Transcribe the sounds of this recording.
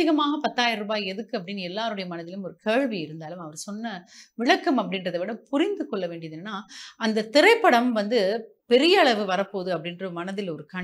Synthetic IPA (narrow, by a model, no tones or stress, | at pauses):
ɪɣɐmaːɣɐpɐt̪ːaːjɪɾɐɾɯbaːjɛðɯkːɯɐpːɐɽɪnɛlːaːɾɯɽɐjɐmɐnɐðɪlɯmɔɾɯkeːɻʋiɪɾɯnd̪aːlɯmɐʋɐɾsɔnːɐʋɪɭɐkːɐmɐpːɐɽɪnrɐðɐʋɪɽɐpʊɾɪnd̪ɯkɔɭːɐʋeːɳɖɪjɐðɯnnːaːɐnd̪ɐt̪ɪɾɐɪpːɐɽɐmʋɐnd̪ɯ | pɛɾɪjɐːɭɐʋɯʋɐɾɐpːoːðɯɐpːɐɽɪndrɐmɐnɐðɪlɔɾɯkaː